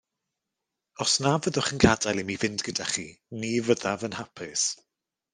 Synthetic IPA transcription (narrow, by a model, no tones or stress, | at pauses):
ɔsnavəðʊχənɡadalˠimivɪndɡ̥ədaχinivəðavənhapʰɪs